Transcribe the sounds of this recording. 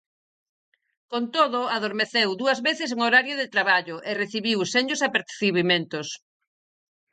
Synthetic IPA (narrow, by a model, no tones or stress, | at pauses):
kont̪oðʊaðoɾmeθewd̪uɐzβeθɪs̬eŋoɾaɾjoðet̪ɾaβaʎʊʔereθiβiwseɲosapeɾθiβimẽnt̪os